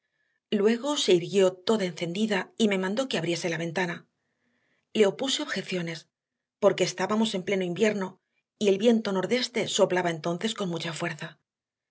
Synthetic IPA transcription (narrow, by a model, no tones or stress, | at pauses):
lwe̞ɣ̞o̞se̞iɾɣjo̞t̪o̞ðae̞nθe̞nd̪iðaime̞mãnd̪o̞ke̞aβɾje̞se̞laβ̞e̞nt̪ana | le̞o̞puse̞o̞βxe̞θjo̞ne̞s | po̞ɾke̞ːst̪aβamo̞se̞mple̞noimbje̞ɾno̞ | ie̞lβje̞nt̪o̞no̞ɾðe̞st̪e̞so̞plaβae̞nt̪o̞nθe̞sko̞nmut͡ʃafwe̞ɾθa